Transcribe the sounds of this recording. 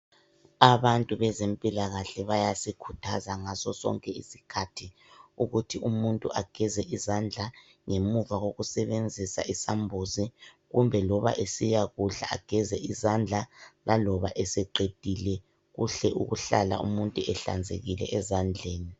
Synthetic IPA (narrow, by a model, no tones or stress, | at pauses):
aβantʼuβɛzempʼilaɣaɬɛβajasikʰutʰazaŋasɔsɔ̰ŋkʼɛḭsi̥kʰatʰi | uɣutʰiumuntʼṵʔaɡ̥ʱɛzɛʔizand͡ɮʱa | ŋemuvaɣoɣusɛβend͡zʱisa̰ʔisambʱuzi | ɣumbʱɛlɔβa̰ʔesijaɣuɬa̰a̰ɡ̥ʱɛzɛizand͡ɮʱalalɔβaʔɛsɛǃed̥ʱilɛ | ɣṵɬɛʔṵɣuɬala̰ʔṵmuntʼuɛɬa̰nd͡zʱḛɣilɛ̰ʔɛzand͡ɮʱeːni